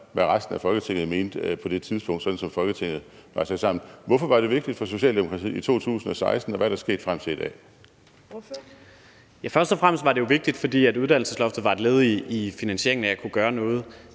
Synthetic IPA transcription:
ʋæʁasd̥n̩æfɒ̽lɡ̥ət͡sʰe̝ŋ̰ð̩ˠme̝ːnd̥pʰɒ̽d̥e̝t͡sʰið̞ˠsb̥ɔ̽ŋ̰d̥sɒ̽d̥n̩sɒ̽mfɒ̽lɡ̥ət͡sʰe̝ŋ̰ð̩ˠʋɑ̈ɪsɑ̈ɪsɑ̈m̰n̩ʋɒfɒ̽ʋɑ̈ɾ̥e̝ʋe̝ɡ̥̚d̥id̥fɒ̽so̝ɕɛ̰ːlde̝mo̝kʰɑ̈t͡sʰḭːit͡sʰo̝̰ːt͡sʰṵːsn̩ɒsɑ̈ɪsd̥n̩ɒʋæɐɾ̥ɑsɡ̥e̝̰ːd̥fʁam̰t͡sʰe̝id̥ɛ̰ː | jæfɶɐsd̥ɒfʁam̰sd̥ʋɑ̈ɾe̝jo̝ʋe̝ɡ̥̚d̥id̥fɒ̽d̥ḭːæduð̞ˠd̥æn̰l̩səslɒ̽fd̥ð̩ˠʋɑ̈e̝d̥le̝ːð̞̩ˠːfinænɕe̝ɐeŋnæjɑkʰuɡ̥ɶːɐnɔ̽ːð̞̩ˠ

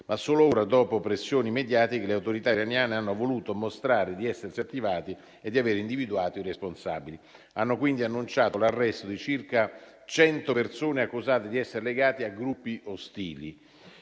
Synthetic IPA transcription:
masːoːlooːɾad̪ɔːpopɾesːjoːnimed̪jaːt̪ikeleawt̪oɾit̪aiɾanjaːneanːovoluːt̪omost̪ɾaːɾed̪iɛsːersiat̪ːivaːt̪i | ed̪ːiaveːɾeind̪ivid̪uaːt̪oiresponsa̰ːbili | anːokwind̪ianːunt͡ʃaːt̪olarːɛst̪od̪it͡ʃirka | t͡ʃɛnt̪opersoːneakːuzaːt̪ed̪iɛsːeɾeleɡaːt̪iaɡɾupːiʔost̪ḭːlḭ

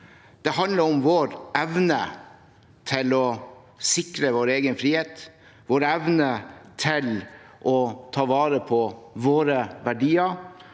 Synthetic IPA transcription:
d̪̥ɛhɑnləɾɔmʋoːɾɛʋnə | t̪ʰɪlɔ | sɪkɾəʋoːɾeːɡənfɾiːheːt̪ | ʋoːɾɛʋnət̪ʰɪlʔɔt̪ʰɑːʋɑːɾəpʰɔʋoːɾəʋæɖiːəɾ

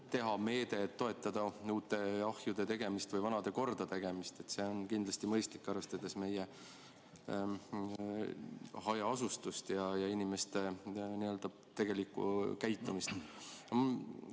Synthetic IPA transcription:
t̪e̞ɦɑme̞ːd̪e̞ːt̪ːo̞e̞t̪ːˑɑd̪̥ɑuːt̪ːˑe̞ɑhjud̪̥e̞t̪e̞ɡ̥e̞mist̪vɤjvɑnɑd̪e̞ko̞rd̪̥ɑt̪e̞ɡ̥e̞mist̪e̞t̪se̞o̞nkind̪lɑst̪imɤjst̪likːˑɑrve̞st̪ɑd̪̥e̞sme̞je | hɑjɑɑsust̪ust̪jɑjɑinʲime̞st̪e̞niø̞ld̪ɑ | t̪e̞ɡ̥e̞likːˑṵkæjt̪ːˑumist̪

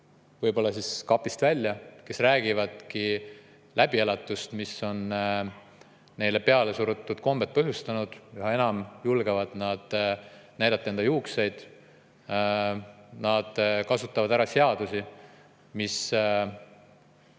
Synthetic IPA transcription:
vɤjbo̞lːɑsiskɑpːˑist̪vælʲːjɑke̞sræːɡ̥ivɑd̪̥ki | lʔæb̥ielɑt̪ːˑust̪misːo̞n | ne̞jle̞pe̞ɑle̞suɾut̪ːˑud̪̥ko̞mb̥e̞t̪̚pɤɦjust̪ɑnud̪̥juhɑe̞nɑmjulɡ̥e̞vɑd̪̥nɑd̪̥næjd̪ɑt̪ːˑend̪̥ɑjuːkse̞jd̪̥ | nɑd̪̥kɑsut̪ːˑɑvɑd̪̥æɾɑse̞ɑd̪̥usi | mis

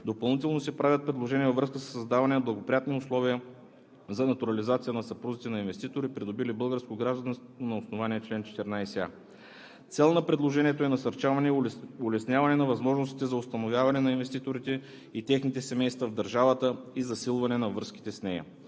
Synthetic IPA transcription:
d̪opɐlˠnit̪ɛlˠnosɛpɾavʲət̪̚pɾɛd̪lˠoʒɛniɛvɐvɾɤskəsə̥sːɐzd̪avɐnɛnɐblˠɐɡopɾijat̪niʊslˠɔviə | zɐnɐt̪uɾɐlizat̪sijənɐsɐpɾuzit̪ɛnɐinvɛst̪it̪oɾipɾid̪obilibɤlˠɡəɾskoɡɾaʒd̪ɐnst̪onɐʊsnovanʲiɛt͡ʃlɛnt͡ʃɛ̥t̪ɛɾnajsɛa̰ | t̪sɛlˠnɐpɾɛd̪lˠoʒɛniɛt̪oɛnɐsɐɾt͡ʃavɐnɛʊlɛsnʲavɐnɛnɐvɐzmɔʒnost̪i̥t̪ɛzɐʊst̪ɐnovʲjavɐnɛnɐinvɛst̪it̪oɾit̪ɛ | it̪ɛxnit̪ɛsɛmɛjst̪vɐvd̪ɐɾʒavət̪əizɐsilˠvɐnɛnɐvəsk̟i̥t̪ɛsnɛjɐ̰

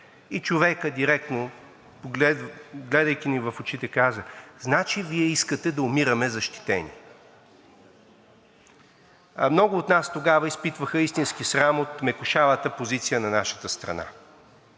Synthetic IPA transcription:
it͡ʃovɛkəd̪iɾɛk̚t̪no | pɡlɛd̪ɡlɛd̪əjk̟inivɐfot͡ʃit̪ɛkazəznat͡ʃiviɛiskət̪ɛd̪ɐʊmiɾəmɛzɐʃt̪i̥t̪ɛ̰nʲḭ | mnɔɡʊːt̪nast̪oɡavəispit̪vəxəist̪insk̟isɾamot̪mɛkʊʃavət̪əpozit̪sijənɐnaʃə̥t̪əst̪ɾɐ̰na̰

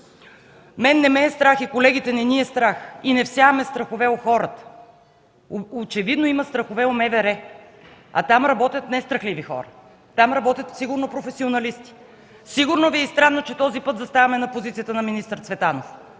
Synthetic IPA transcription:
mɛnːɛmɛːst̪ɾaxikolɛɡʲit̪ɛnɛniɛst̪ɾaxinɛfsjavɐmɛst̪ɾɐxovɛoxɔɾət̪ə̥ | ot͡ʃɛvid̪noimɐst̪ɾɐxovɛomɛvɛɾɛ | ɐ̰t̪amɾɐbɔt̪ʲjət̪nɛst̪ɾɐxlivixɔ̰ɾə̰ | t̪amɾɐbɔt̪ʲjət̪fsiɡʊɾnopɾofɛsionɐlist̪i̥ | siɡʊɾnoviɛist̪ɾanːot͡ʃɛt̪ɔzipɤt̪zɐst̪avɐmɛnɐpozit̪sijət̪ənɐminist̪ɾt̪svɛt̪anof

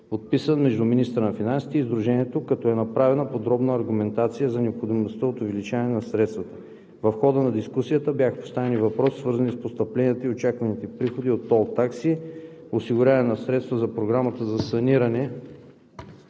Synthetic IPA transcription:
pot̪̚pisənmɛʒd̪uminist̪ɾənɐfinansi̥t̪ɛizd̪ɾuʒɛniɛt̪okɐt̪ɔɛnɐpɾavɛnəpod̪ɾɔbnəːɾɡʊmɛnt̪at̪sijəzɐnɛopxod̪imost̪əot̪ʊvɛlit͡ʃavnɛnɐsɾɛt̪st̪vət̪ə̥ | vɐfxɔd̪ənɐd̪iskusijət̪əbjaxə̥po̥st̪avɛnivɐpɾɔsi̥svɤɾzɐnispost̪ɐplɛniət̪əiot͡ʃakvɐnit̪ɛpɾixod̪iot̪ːɔlˠt̪aksi | osiɡʊɾʲjavɐnɛnɐsɾɛt̪st̪vəzɐpɾoɡɾamət̪əzɐsɐniɾɐnɛ

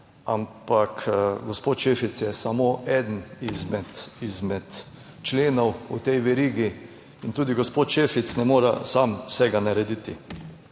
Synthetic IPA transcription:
a̰mpakʰɡospoːt̪ʃeːfit̪sjɛsamoɛd̪n̩izmɛt̪izmɛt̪ | t͡ʃleːnɔwut̪ɛjʋɛɾiːɡi | int̪uːd̪iɡospoːt̪ʃefit̪snɛmoːɾasamwsɛɡanaɾɛd̪it̪i

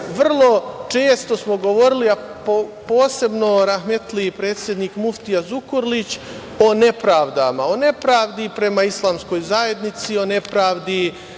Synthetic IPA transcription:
ʋr̩lˠo̞t͡ʃe̞ːst̪o̞smo̞ɡo̞ʋo̞ɾiliapopo̞ːse̞bno̞ɾaɦmet̪lipɾe̞ːt̪sje̞d̪niːkmuft̪ijazukoɾlit͡ɕ | o̞ne̞pɾaːʋd̪amao̞ne̞pɾaːʋd̪ipɾe̞maislˠaːmsko̞jzaje̞d̪nit̪sio̞ne̞pɾaːʋd̪i

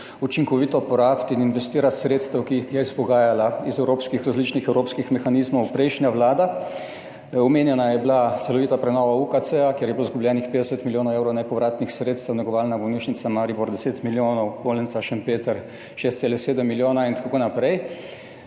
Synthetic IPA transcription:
ut͡ʃiŋkɔʋiːt̪ɔpɔɾaːpt̪ininʋɛst̪iːɾat̪sɾeːt̪st̪ɛwkiːxjɛiz̥pɔɡaːjalaizɛwɾoːpskixɾazliːt͡ʃnixɛwɾoːpskixmɛxanizmɔwpɾɛjʃnjaʋlaːd̪a | ɔmeːnjɛnajɛblat̪sɛlɔʋiːt̪apɾɛnɔːʋaukatsɛakjeɾjɛblozɡublʲjɛːnixpeːd̪ɛsət̪miljoːnɔwewɾɔwnɛpɔʋɾaːt̪nixsɾeːt̪st̪əwnɛɡɔʋaːlnabɔwniːʃnit̪samaɾiboɾd̪ɛseːt̪miljoːnɔwbolɛnt̪saʃɛmpeːt̪əɾ | ʃeːst̪seːlɛseːd̪əmːiljoːnaint̪akakoːnapɾɛj

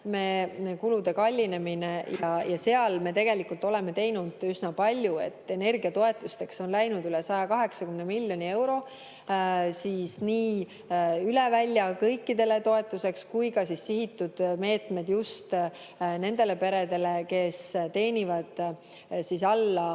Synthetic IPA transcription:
me̞ːkulud̪̥e̞kɑlʲːine̞minejɑjɑse̞ɑlme̞ːt̪e̞ɡe̞likult̪ːˑo̞le̞me̞t̪e̞jnud̪̥ysnɑpɑlʲjue̞̰t̪ːˑe̞ne̞rɡiɑt̪o̞e̞t̪ːˑust̪e̞kso̞nlæjnud̪ylɛsɑjɑkɑɦe̞ksɑkymnemilʲːjo̞nʲie̞wɾo̞ | siːsniː | yle̞vælʲːjɑkɤjkːid̪e̞le̞t̪o̞e̞t̪ːˑuse̞kskujkɑsisːiɦit̪ːud̪̥me̞ːt̪me̞d̪̥just̪ | ne̞nd̪e̞le̞pe̞ɾe̞d̪e̞le̞ke̞st̪e̞ːnʲivɑd̪̥ | sisɑlːɑ

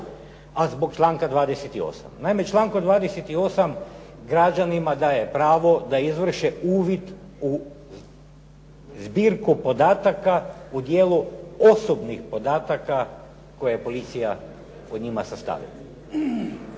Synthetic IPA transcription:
azbo̞kt͡ʃlˠaːŋkad̪ʋaːd̪eset̪io̞̰sa̰mnaime̞t͡ʃlˠaːŋkod̪ʋaːd̪eset̪io̞sam | ɡɾad͡ʒanimad̪aːjepɾaːʋo̞d̪aizʋr̩ʃeuːʋit̪ | u | zbiːɾkupo̞d̪aːt̪akaud̪jeːluo̞sobnixpo̞d̪aːt̪aka | ko̞jeepo̞lit̪sija | od̪ɲimasast̪a̰ːʋḭla̰

